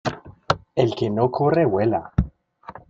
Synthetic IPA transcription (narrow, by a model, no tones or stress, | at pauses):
elkenokʰurewela